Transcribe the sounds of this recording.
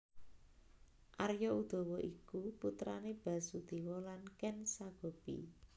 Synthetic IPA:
ʔarjɔud̪̥ɔ̤wɔʔikuput̪ɾaneb̥a̤sud̪̥iwɔlankɛnsaɡ̥o̤b̥ḭ

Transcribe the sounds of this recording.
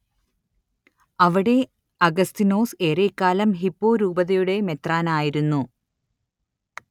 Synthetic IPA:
ɐʋiɽe̞ | ɐɡɐst̪ino̞ːse̞ːɾekːaːlɐmɦipːo̞ːɾuːbɐðɐjuɽe̞me̞t̪raːnaːjiɾunːu

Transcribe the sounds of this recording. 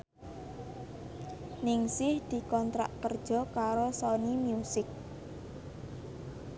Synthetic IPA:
nɪŋsɪhd̪̥i̤kɔnt̪ɾa̰ʔkərd̥ʒ̥ɔ̤kaɾosɔnimjusɪk̚

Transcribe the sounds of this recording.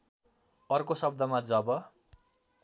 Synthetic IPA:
ʌrkosʌbd̪ʌmad͡zʌbʌ

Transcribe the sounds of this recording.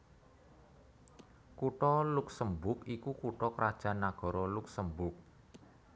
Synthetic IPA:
kuʈɔluksəmbʊkikukuʈɔkɾad̥ʒ̥a̤nːaɡ̥ɔ̤ɾɔluksəmbʊk̚

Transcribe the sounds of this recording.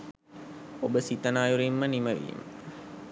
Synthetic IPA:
obəsit̪ənaːjuɾimːəniməʋḭːmə

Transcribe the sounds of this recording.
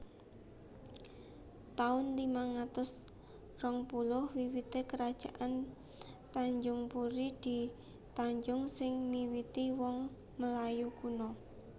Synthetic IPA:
t̪aʊnlimaŋat̪ʊs | rɔŋpulʊhwiwit̪ekəɾad̥ʒ̥aʔan | t̪aɲd͡ʒʊŋpuɾid̪̥i̤ | t̪aɲd͡ʒʊŋsɪŋmiwit̪iwɔŋ | məlajukunɔ

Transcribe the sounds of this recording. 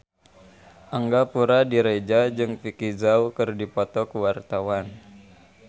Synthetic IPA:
ʔaŋɡapuɾadiɾed͡ʒad͡ʒɨŋfikizaukɨrdipɔt̪ɔkuwart̪awan

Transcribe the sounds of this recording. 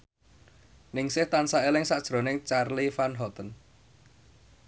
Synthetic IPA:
nɪŋsɪht̪ansaelɪŋsaʔd̥ʒ̥ɾo̤nɪŋt͡ʃarlifanɦɔt̪ən

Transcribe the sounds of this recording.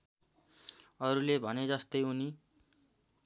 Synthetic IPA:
ʌɾulebʱʌned͡zʌst̪ʌjuni

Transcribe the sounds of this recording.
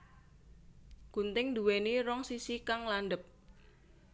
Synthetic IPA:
ɡ̥unt̪ɪŋd̪uweniɾɔŋsisikaŋlanɖəp̚

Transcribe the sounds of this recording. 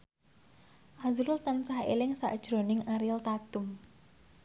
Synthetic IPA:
ʔazɾʊlt̪ansahḛlɪŋsa̰ʔd̥ʒ̥ɾo̤nɪŋaɾilt̪at̪ʊm

